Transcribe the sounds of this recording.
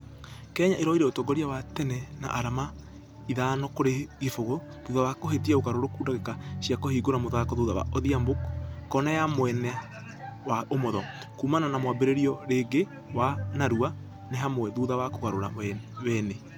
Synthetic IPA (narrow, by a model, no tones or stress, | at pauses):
kɛɲaʔeɾɔiɾɛotɔɡɔɾiawatɛnɛna̰ʔaɾama | iðaːnɔkoɾeɣefoɣo | ðuðawakoɦetiɛoɣaɾoɾokuːdaɣekaɕjakohiːɡoɾamoðakɔðoðawa̰ʔoðiambokkːɔnajamwɛnɛ | waomɔðɔ | kuːmananamwabeɾeɾiɔɾeːɡe | wanaɾua | neɦamoɛðuðawakoɣaɾoɾa̰ɛwɛne